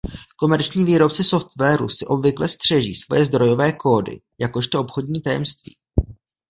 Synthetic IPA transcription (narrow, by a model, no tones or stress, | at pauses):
ko̞mɛɾt͡ʃɲiːviːɾo̞p̚t͡sɪso̞ft̪vɛːɾṵsɪʔo̞bvɪklɛst̪r̝̥ɛʒḭːsvo̞jɛzd̪ɾo̞jo̞vɛːko̞ːdɪ̰ | jako̞ʃt̪oʔopxo̞dɲiːt̪ajɛ̰mst̪vḭː